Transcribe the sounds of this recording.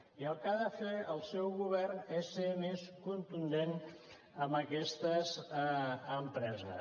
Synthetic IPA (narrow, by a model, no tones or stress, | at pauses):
iəlˠkaðəfeəlˠsɛwɣuβɛrnesemeskunt̪und̪en | əmbəkɛst̪əz | əmpɾɛzə̰